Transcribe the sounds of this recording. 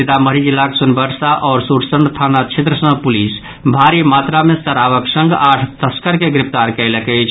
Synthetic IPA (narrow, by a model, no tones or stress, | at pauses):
it̪aməɾid͡ʒilːaksunbəɾsaʔɔːɾsuɾsəɳɖt̪ʰanat͡ʃʰet̪ɾəsə̃ŋpulis | bʱaɾimat̪ɾamest̪əɾabəksəŋɡaʈʰt̪əskəɾkeɡɾipʰt̪aɾkəɪlekəɪt͡ʃʰ